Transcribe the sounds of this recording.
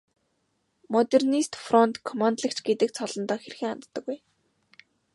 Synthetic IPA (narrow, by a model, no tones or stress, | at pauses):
mɔt̪ernist̪frɔnt̪kʰːɔmant̪ɮə̆kt͡ɕɡet̪ɘ̆k̚t͡sʰɔɮɞ̆nt̪ɔːxerxɘ̆ŋant̪ːə̆ɡuj